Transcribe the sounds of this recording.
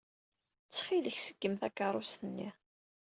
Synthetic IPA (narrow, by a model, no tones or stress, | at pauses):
t͡sːχiləçsəɡ̥ːəmθækːɑɾˤʊst̪ənːi